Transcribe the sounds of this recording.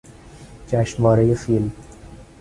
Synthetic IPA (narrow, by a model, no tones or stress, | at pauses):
t͡ʃæːʃʋɒːɾejefilm